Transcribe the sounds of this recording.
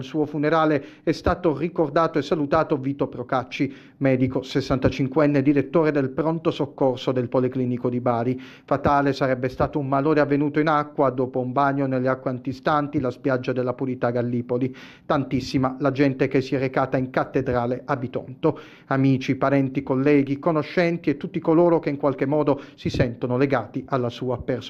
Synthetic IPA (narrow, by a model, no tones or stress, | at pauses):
lsuːofuneɾaːle | ɛst̪aːt̪orikord̪aːt̪oesːalut̪aːt̪oviːt̪opɾokat͡ʃːi | mɛːd̪ikosesːant̪at͡ʃiŋkwɛnːed̪iɾet̪ːoːɾed̪elpɾont̪osokːorsod̪elpolikliːnikod̪ibaːɾi | fat̪aːlesaɾɛbːest̪aːt̪oumːaloːɾeavːenuːt̪oinakːwad̪oːpoumbaɲːonelːeakːweant̪ist̪ant̪ilaspjad͡ʒːad̪elːapuɾit̪aɡalːiːpoli | t̪ant̪isːimalad͡ʒɛnt̪ek̟esːiɛrekaːt̪aiŋkat̪ːed̪ɾaːleʔabit̪ɔ̰nt̪o | amiːt͡ʃipaɾɛnt̪ikolːɛːɡikonoʃːɛnt̪iet̪ːut̪ːikoloːɾokeiŋkwalk̟emːɔːd̪osisɛnt̪onoleɡaːt̪iʔalːasuːapers